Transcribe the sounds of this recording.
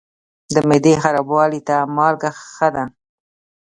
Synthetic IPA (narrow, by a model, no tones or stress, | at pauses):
d̪əmed̪exaɾabwɑlit̪amɑlɡaxxəd̪a